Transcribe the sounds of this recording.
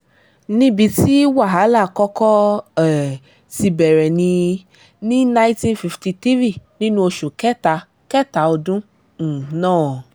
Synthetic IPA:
nĩ˦bi˧ti˦wa˦˨ɦa˨˦la˦˨kɔ˦kɔ˦ɛ˨ | si˧bɛ˨ɾɛ˨nĩ˧ | nĩ˦nã˦ĩ˦tĩ˦nfi˧fti˧ti˦vi˦˨nĩ˦nũ˧˦o˧ʃu˨kɛ˦ta˧˦ | kɛ˦ta˨˦o˧dũ˦ | n̩˨nãː˦˨

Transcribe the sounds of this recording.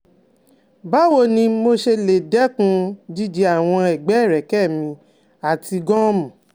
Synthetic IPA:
ba˨˦wo˧˨nĩ˧˦mo˧ʃe˧le˨dɛ˨˦kũ˧d͡ʒi˦d͡ʒi˧˦a˦˨w̃ɔ̃˧ɛ˨ɡ͡bɛ˨˦˨ɾɛ˨kɛ˦˨mĩ˧ | a˨tʰi˧ɡɔ̃˦mũ˨

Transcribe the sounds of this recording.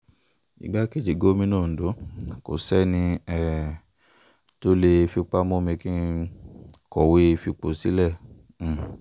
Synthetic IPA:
ḭ˨ɡ͡ba˦ke˦d͡ʒi˨ɡo˦mĩ˦nɔ̃ː˦˨do˨˦ko̰˨sɛ˦nĩ˧ɛ˦˨ | to˦le˧fi˧k͡pa˦mɔ̃˦mĩ˧ki˦˧ | kɔ˨we˦e˧fi˧k͡po˨si˨˦lɛ˦˨ | m̩˨

